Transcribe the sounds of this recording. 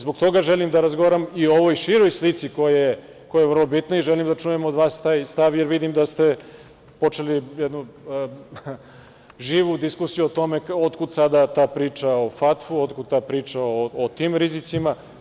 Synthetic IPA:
zbok̚t̪o̞ɡaʒelimd̪aɾazɡoʋaːɾamio̞ʋojʃiɾojslit̪siko̞jaje | kojajeʋrlˠo̞bit̪naiʒelimd̪at͡ʃujemod̪ʋaːst̪aːjst̪aʋjeɾʋid̪imd̪ast̪e̞ | po̞t͡ʃelijed̪nu | ʒiːʋud̪iskusijuot̪o̞me̞od̪kud̪sad̪at̪aːpɾiːt͡ʃaofat̪fuod̪kud̪̚t̪aːpɾiːt͡ʃaoot̪iːmɾizit̪sima

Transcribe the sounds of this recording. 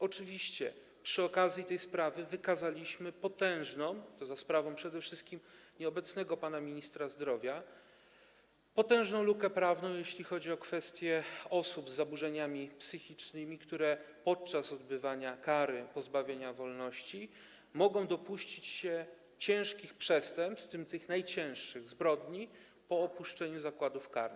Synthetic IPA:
ɔt͡ʂɘvʲiɕt͡ɕɛ | pʂɘɔkazʲjit̪ɛjspɾavɘvɘkazalʲiɕmɘpɔt̪ɛ̃w̃ʐnɔ̃w̃t̪ɔzaspɾavɔ̃w̃pʂɛd̪ɛfʂɘst̪̚kʲimɲɛɔbɛt̪snɛɡɔpanamʲiɲist̪ɾazd̪ɾɔvʲja | pɔt̪ɛ̃w̃ʐnɔ̃w̃lukɛpɾavnɔ̃w̃jeɕlʲixɔd͡ʑiɔkfɛst̪ʲjɛɔsubzːabuʐɛɲamʲipsɘxʲit͡ʂnɘmʲikt̪uɾɛpɔt̪̚t͡ʂasɔd̪̚bɘvaɲakaɾɘpɔzbavʲjeɲavɔlnɔɕt͡ɕi | mɔɡɔ̃w̃d̪ɔpuɕt͡ɕit͡ɕɕɛ | t͡ɕɛ̃w̃ʂkʲixpʂɛst̪ɛmpt̪st̪ɘmt̪ɘxnajt͡ɕɛ̃w̃ʂʂɘɣzbɾɔd̪ɲi | pɔːpuʂt͡ʂɛɲuzakwad̪ufkaɾn

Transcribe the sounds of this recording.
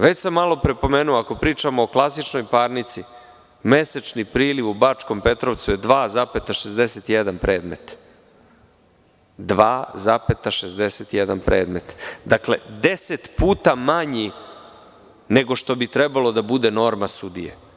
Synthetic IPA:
ʋet͡ɕsamːalo̞pɾepo̞meːnuoako̞pɾiːt͡ʃamoːklˠasit͡ʃno̞jpaːɾnit̪si | me̞set͡ʃnipɾiːliʋubat͡ʂko̞mpe̞t̪ɾoʋt̪sujed̪ʋaːzape̞t̪aʃezd̪e̞set̪ijed̪anpɾe̞ːd̪met̪ | d̪ʋaːzapet̪aʃezd̪eset̪ijed̪anpɾeːd̪met̪d̪aklḛd̪e̞set̪puːt̪amaɲi | ne̞ɡo̞ʃt̪o̞bit̪ɾebalo̞d̪abud̪e̞no̞ɾmasud̪ijḛ

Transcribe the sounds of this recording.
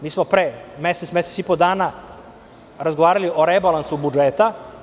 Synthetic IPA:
miːsmopɾeːmeset̪smeset̪sipod̪aːna | ɾazɡoʋaːɾalio̞ɾebalˠansubud͡ʒeːt̪a

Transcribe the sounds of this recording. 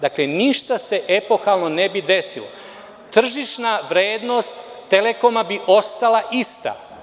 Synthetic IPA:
d̪akleniʃt̪ase̞ʔe̞po̞xalˠno̞ne̞bid̪e̞silˠo̰ | t̪r̩ʒiʃnaʋɾeːd̪no̞st̪ːele̞ko̞mabiʔo̞st̪alˠaʔist̪a̰

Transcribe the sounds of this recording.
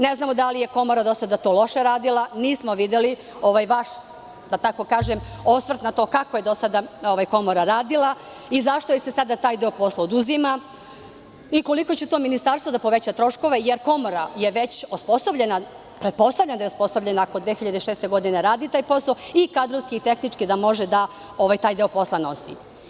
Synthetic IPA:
neznaːmo̞d̪alije̞ko̞mo̞ɾad̪o̞sad̪at̪o̞ːlˠo̞ʃeɾaːd̪ilˠaniːsmoʋid̪eli | o̞ʋajʋaʃ | d̪at̪ako̞kaːʒemosʋr̩t̪nat̪o̞ːkakoje̞d̪osad̪aoʋajko̞moɾaɾaːd̪ilˠa | izaʃt̪ojesesad̪at̪aːjd̪eopo̞slˠaod̪uzima | iko̞liko̞t͡ɕut̪oːminist̪aɾst̪ʋo̞d̪apo̞ʋe̞t͡ɕat̪ɾo̞ʃko̞ʋe̞jeɾko̞mo̞ɾaje̞ʋe̞t͡ɕospo̞soʋʎena | pɾet̪̚po̞st̪aʋʎend̪jospo̞soʋʎe̞naːkod̪ʋexiʎad̪eʃeːst̪e̞ɡo̞d̪ineɾaːd̪it̪aːjpo̞saoikaːd̪ɾo̞ʋskiit̪e̞xnit͡ʂkid̪amo̞ʒed̪a | o̞ʋajt̪aːjd̪eopo̞slˠano̞sḭ

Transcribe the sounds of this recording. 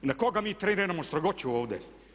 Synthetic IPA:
inakoɡamiːt̪ɾeniɾeɾamost̪ɾoɡot͡ɕuoːʋd̪ḛ

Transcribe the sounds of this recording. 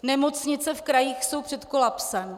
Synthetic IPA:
nɛmo̞t͡sɲɪt͡sɛfkɾajiːxso̞wpr̝̥ɛt̪ko̞lapsɛm

